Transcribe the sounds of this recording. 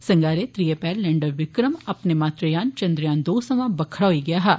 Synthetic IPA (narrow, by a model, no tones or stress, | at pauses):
səŋɡaːɾeːt̪ɾieːpɛːllɛ̃ɳɖəɾʋɪkɾəmapneːmaːt̪ɾejaːnt͡ʃə̃nd̪ɾjãːnd̪oːsəmãːbəkʰːəɽaːɦoiːɡɪjaːɦaː